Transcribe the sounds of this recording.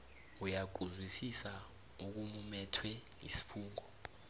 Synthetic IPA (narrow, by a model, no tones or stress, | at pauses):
ujaɡ̬ʱuzwisisa | uk̬umumɛtʰwɛŋḭsi̥fuːŋɔ